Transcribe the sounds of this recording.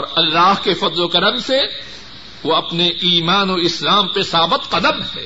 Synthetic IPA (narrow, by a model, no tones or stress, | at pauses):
ɔːɾɐlːaːɦkefɐd̪lokɐɾəmse | ʋoɐpneiːmaːnoɪslaːmpesaːbət̪qɐd̪əmɦɛ̰ː